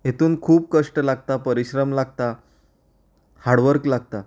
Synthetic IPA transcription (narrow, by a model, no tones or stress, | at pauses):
jet̪uːnkʰuːb̚kəʂʈəlaɡt̪apəɾiɕɾəmlaɡ̚t̪a | haɽʋəɾklaɡ̚t̪a